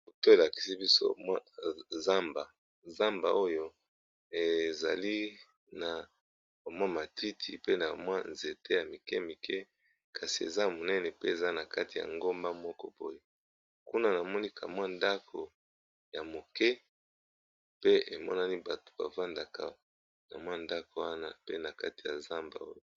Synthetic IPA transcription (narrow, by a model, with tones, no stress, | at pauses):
bo˨to˦e˨la˨ki̥˨si˦bi˦so̰˦mwa˦za˦mba˨ | za˦mba̰˨o˦jo˦ | e˨za˨li˦ | na˨ | ba˨mwa˦ma˨tʰi˦tʰi˨pe˦na˨mwa˦nze˨te˦ja˨mi˨kɛ˦mi˨kɛ˦ | ka˨si˨ḛ˨za˦mo˨nɛ˦nɛ˨pe˦e˨za˦na˨ka˦ti˨ja̰˨ŋɡo˦mba˦mɔ˦kɔ̰˦bo̰˦jo˦ | ku˦na˦na˨mɔ˦ni˦kʰa̰˨mwa˦nda˦kʰo˨ | ja˨mo˨kɛ˦ | pe˦e˨mɔ̰˦na˦ni˦ba˨to̥˨ba̰˨va˦nda˨ka˨ | na̰˨mwa˦nda˦ko˨wa˦na˦pe˦na˨ka̰˦ti̥˨ja̰˨za˦mba̰˨o̰˦jo˦